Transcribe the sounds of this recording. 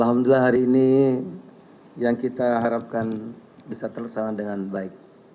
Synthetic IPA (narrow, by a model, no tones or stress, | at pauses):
alɦamdullahɦaɾiːni | jaŋkit̪aɦaɾap̚kanbisat̪ərsamadəŋanbaɪk̚